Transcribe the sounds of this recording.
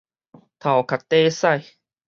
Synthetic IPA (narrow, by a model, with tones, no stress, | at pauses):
t̪ʰa˨˩wkʰa˨˩t̪ːeː˧˥sa˥˩˨j